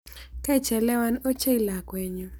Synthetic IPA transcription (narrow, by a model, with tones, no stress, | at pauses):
ka˦i˨t͡ʃɛ˨lɛ˦wa˦no˦t͡ʃe˦i˦la˨kwɛ˨ɲo˨